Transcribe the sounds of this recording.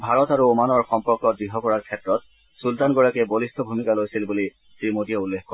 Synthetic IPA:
bʱaɹɔtaɹuomanɔɹxɔmpɔɹkɔbɹiɦɔkɔɹaɹkʰɛtɹɔt̚ | sultanɡɔɹakɛbolistʰɔbʱumikalojsilbuli | tɹimotijɛulːexkɔ

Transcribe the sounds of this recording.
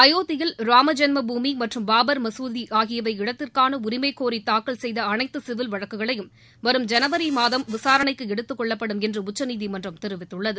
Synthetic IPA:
ɐjoːt̪ːɪjɪlɾaːmɐd͡ʒɐnmɐbuːmimɐʈrɯmbaːbɐɾmɐsuːðiʔaːɣɪjɐʋɐɪɪɽɐt̪ːɪrkaːnɐʊɾɪmeːkːoːɾit̪aːkːɐɭsɛjðɐːnɐɪt̪ːɯsɪʋɪlʋɐɻɐkːɯɣɐɭɐjɯm | ʋɐɾɯmd͡ʒɐnɐʋɐɾimaːðɐmʋɪsaːɾɐnɐɪkːɯɛɽɯt̪ːɯkːɔɭːɐpːɐɽɯmɛndrɯʊt͡ʃːɐniːðimɐndrɐmt̪ɛɾɯʋɪt̪ːɯɭːɐðɯ

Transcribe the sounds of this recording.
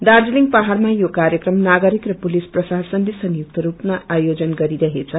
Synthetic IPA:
d̪ard͡ziliŋpaɦarmajokaɾjʌkrʌmnaɡʌɾikrʌpulisprʌsasʌnlisʌnjuk̚t̪ʌɾupnaajod͡zʌnɡʌɾiɾʌɦet͡sʰʌ

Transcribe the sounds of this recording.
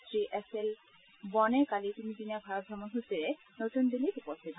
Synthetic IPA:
t̪ɾiʔesel | bɔnekalit̪inid͡ʑ̪inabʱaɾot̪̚ɡʱɾɔmonɦusiɾe | not̪und̪ilːiɾupost̪ʰit̪

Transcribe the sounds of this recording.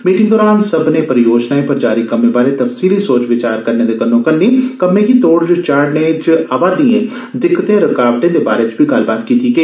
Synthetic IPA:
miːʈɪ̃ŋɡd̪ɔːɾaːnsəbnepəɾjoːd͡ʒnaːẽpəɾd͡ʒaːɾikəmẽːbaːlet̪əfsiːlisoːt͡ʃʋɪt͡ʃaːɾkəɾneːd̪eːkənõːkənːiːkəmẽːkit̪oːɽd͡ʒət͡ʃaːɾɖnet͡ʃʔaːbaːd̪iːẽː | d̪ɪkːt̪ẽːɾəkaːʋʈẽːd̪ebaːɾeːt͡ʃbʱiːɡɐlbaːt̪kiːt̪iɡeː

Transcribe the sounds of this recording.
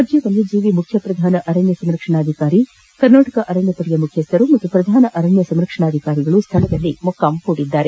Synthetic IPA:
ɐd͡ʒjɐʋɐnd̪id͡ʒiːʋimukʰjɐpɾɐd̪ʱaːnɐʔɐɾɐnjɐsɐmɾɐkʂɐɳaːd̪ʱikaːɾi | kɐɾnaːʈɐkɐʔɐɾɐnjɐpɐɽijɐmukʰjɐst̪ɐɾumɐt̪ːupɾɐd̪ʱaːnɐʔɐɾɐnjɐsɐmɾɐkʂɐɳaːd̪ʱikaːɾiɡɐɭust̪ʰɐlɐd̪ɐlːimɔkːaːmkuːɽid̪ːaːɾe

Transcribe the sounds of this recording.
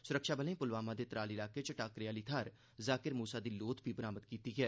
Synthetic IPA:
sʊɾəkʃaːbəlẽĩːpʊlʋaːmãːd̪eːt̪ɾaːlɪlaːket͡ʃəʈaːkɾɪjaːliːt̪ʰaːɾ | zaːkɪɾmuːsaːd̪iːloːt̪biːbəɾaːməd̪kiːt̪iːɡɛː

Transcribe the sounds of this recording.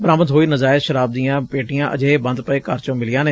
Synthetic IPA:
bəɾaːməd̪ɦoːiːnəzaːɪt̪ʃəɾaːb̚d̪ijãːpeːʈɪjãːʔə̰d͡ʒeːeːbə̃nd̪pəeːkaːɾt͡ʃõːmɪlɪjãːneː

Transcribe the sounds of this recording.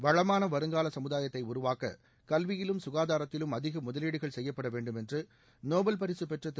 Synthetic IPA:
ʋɐɻɐmaːnɐʋɐɾɯŋɡaːlɐsɐmɯðaːjɐt̪ːɐɪʊɾʊʋaːkɐ̰ | kɐlʋɪjɪlɯmsʊɣaːðaːɾɐt̪ːɪlɯmɐðɪɣɐmʊðɐliːɽɯɣɐɭsɛjːɐpːɐɽɐʋeːɳɖɯmɛndrɯ | noːbɐlpɐɾɪsɯpɛʈrɐt̪ː

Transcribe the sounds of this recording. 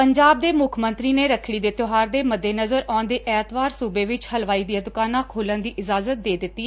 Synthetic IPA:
pəɲd͡ʒaːb̚d̪eːmʊkʰmənt̪ɾiːneːɾəkʰɽiːd̪eːt̪oɦaːɾd̪eːməd̪ːeːnəzəɾɔ̃ːnd̪eːʔɛːt̪ʋaːɾsuːbeːʋɪt͡ʃhəlʋaːiːd̪iaːd̪ʊkaːnãːkʰoːlənd̪iːʔɪzaːzət̪̚d̪eːd̪ɪtt̪ːiː

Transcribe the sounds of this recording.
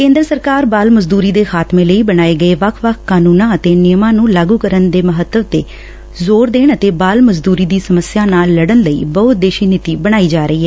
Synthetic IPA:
kẽːnd̪ɾəsəɾkaːɾbaːlməzd̪uːɾiːd̪eːxʰaːt̪mẽːləiːbəɽaːeːɡəeːʋəkʰʋəkʰkaːnuːnãːət̪eːnɪjəmãːnũːlaːɡuːkəɾənd̪eːməɦət̪ːəʋt̪eː | zoːɾd̪eːɳət̪eːbaːlməzd̪uːɾiːd̪iːsəməsjaːnaːlːəɽənləḭːbəʊt̪̚d̪eːʃiːnɪt̪iːbəɽ̃aːiːd͡ʒaːɾəiːɦɛː

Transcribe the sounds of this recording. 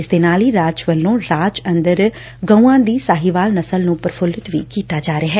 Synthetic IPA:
ɪsd̪eːnaːliːɾaːt͡ʃʋəlːõːɾaːt͡ʃənd̪əɾ | ɡə̃ũːãːd̪iːsaːɦiːʋaːlnəsəlnũːpəɾpʰʊlɪt̪ʋḭːkiːt̪aːd͡ʒaːɾeaːɦɛː

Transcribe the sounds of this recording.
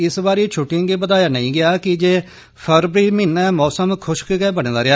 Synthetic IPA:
ɪsbaːɾeːt͡ʃʰʊʈːĩŋɡeːbət̪aːjaːnəĩːɡɪaːkɪd͡ʒeː | pʰəɾbɾiːmɪːnɛːmɔːsəmkʰʊʃkɡɛːbəɽ̃ːd̪aːɾɪaː

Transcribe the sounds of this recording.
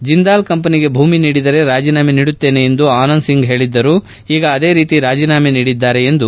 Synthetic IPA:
d͡ʒind̪aːlkɐmpɐniɡe̞bʱuːminiːɽid̪ɐɾe̞ɾaːd͡ʒiːnaːmeniːɽut̪ːeːne̞end̪uaːnɐnsiŋɡɦe̞ːɭid̪ːɐɾuː | iːɡɐːd̪e̞ːɾiːt̪iɾaːd͡ʒiːnaːmeniːɽid̪ːaːɾe̞end̪u

